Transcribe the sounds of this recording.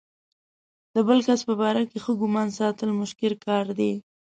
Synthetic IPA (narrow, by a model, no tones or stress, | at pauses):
d̪̥əbəlkaspəbɑɾakexəɡʊmɑnsɑt̪əlmʊʃkɪlkɑɾd̪e